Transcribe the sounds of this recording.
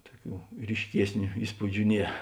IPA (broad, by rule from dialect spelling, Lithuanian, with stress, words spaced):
ˈtuɔˌkʲuː rʲiːʃʲˈkʲiɛsʲnʲʊ ˈiːspuːd͡ʒʲʊ ˈnʲiɛ